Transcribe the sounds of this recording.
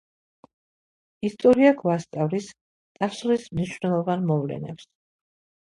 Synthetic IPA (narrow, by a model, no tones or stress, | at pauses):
ist̪ʼɔɾiaɡvast̪sʼavlis | t̪ʼaslismniʃwvnɛlˠɔvanmɔvlɛ̰nɛ̰ps